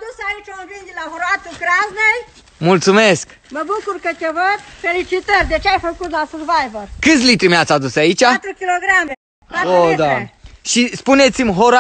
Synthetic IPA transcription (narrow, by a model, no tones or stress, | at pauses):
d̪usait͡ʃolvind̪ilaɦoɾat̪ukɾaznej | mult̪sumesk | məbukurkəkʲevəd̪felit͡ʃit̪ərʲd̪et͡ʃeajfəkut̪lasərvajvərkɨt̪sʲlit̪ɾimeat̪sad̪usait͡ʃat̪ɾukʲiloɡɾame | aod̪aʃispunet̪simɦoɾa